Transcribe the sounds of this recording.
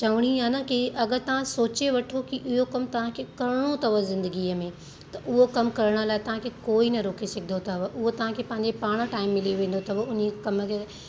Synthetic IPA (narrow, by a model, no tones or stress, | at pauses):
t͡ɕɐʋɽ̃iɦaːnɐkiʔɐɡəɾt̪ɐʋ̤ãsoːt͡ɕeʋɐʈʰokiʔɪɦokɐmt̪ɐʋ̤ãkʰekɐɾɪɽ̃ot̪ʰɐʋəzɪ̃nd̪əɡiːəmẽ | t̪ɐʔʊɦokɐmkɐɾɽ̃əlaːɪt̪ɐʋ̤ãkʰekoːinɐɾoːkʰesɪɡʰʱɪd̪ʱot̪ʰɐʋʔʊɦot̪ɐʋ̤ãkʰeːpɐ̃ɦɪ̃ɲ̆d͡ʑepaːɽ̃əʈaːɪmːɪlioʋẽːn̆d̪ot̪ʰɐbʊnekɐməkʰe